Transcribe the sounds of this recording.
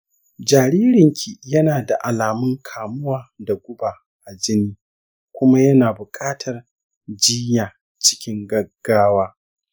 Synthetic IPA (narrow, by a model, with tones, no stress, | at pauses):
d͡ʒaː˨ɾiː˦ɾɪ˨ŋkʲʰi˨jɐ˦naː˨da˨ʔa˨laː˨mʊ˦ŋkʰaː˨mʊ˦waː˨da˨ɡʷʊ˦baː˨ | ʔa˨d͡ʒɪ˦niː˦ | kʷʊ˦ma˦jɐ˦naː˨bʊ˨kʼaː˦tʰɐ˨r | d͡ʒiː˦jaː˨ | t͡ʃɪ̥˦kʲɪ˦ŋɡɐ˦ɡ̥ːaː˦waː˦